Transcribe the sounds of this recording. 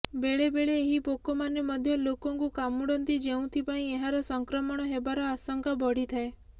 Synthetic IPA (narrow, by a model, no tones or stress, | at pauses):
beɭebeɭeːɦipokɔmanemɔd̪ʱjɔlokɔŋkukamuɽɔnt̪id͡ʒeũt̪ʰipaĩeɦaɾɔsɔŋkɾɔmɔɽ̃ɔɦebaɾɔasɔŋkabɔɽ̤it̪ʰae